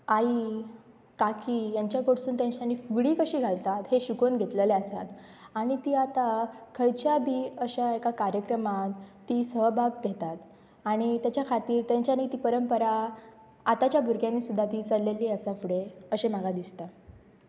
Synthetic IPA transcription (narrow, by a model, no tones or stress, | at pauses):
ai | kakijaɲt͡ɕjakoɽsuːnt̪jãɲt͡ɕjanːiːfuɡɽiːkəɕiːɡʱalt̪at̪heɕukonɡʱet̪ləleasa̰t̪ | aɽ̃it̪iːat̪akʰəjt͡ɕjabʱiːəɕaekakaɾjəkɾəmat̪ː | iːsəbʱaɡɡʱet̪at̪ | aɽ̃it̪jat͡ɕjakʰat̪iːɾt̪jãɲt͡ɕjanit̪iːpəɾəmpəɾa | at̪at͡ɕjabʱuɾɡjanːiːsud̪ʱːat̪iːt͡səlːelːiːəsafuɽeəɕem̤aɡad̪ist̪a